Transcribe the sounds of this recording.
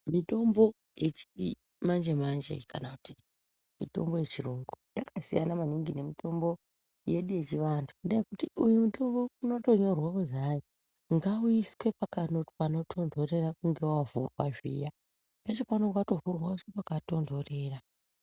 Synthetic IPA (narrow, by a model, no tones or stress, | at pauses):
mito̞mbo̞ | jet͡ʃi̥i | mand͡ʒe̞mand͡ʒḛkanakuti | mḭto̞̰mbo̞je̞t͡ʃiruŋɡujakasijanamaniŋɡine̞mitʰo̞mbo̞ | je̞ɗuje̞t͡ʃiʋantʰu̥ndajekutiujumuto̞mbo̞uno̞to̞ɲo̞rwaʋozajo | ŋɡauiske̞pakanoti̥pano̞tʰo̞ndʱo̞re̞rakuŋɡe̞wavṵrwaʐḭja | pet͡ʃopanoŋɡato̞vurwausepakato̞ndo̞re̞ːra